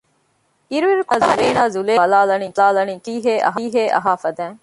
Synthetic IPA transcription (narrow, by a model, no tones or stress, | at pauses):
iɾuʋiɾukazuleːnaːzuleːlaːlɐniːt̪laːlɐniːkiːɦeːʔɐ̰ɦiːɦeːʔɐ̰ɦaːfɐd̪æːŋ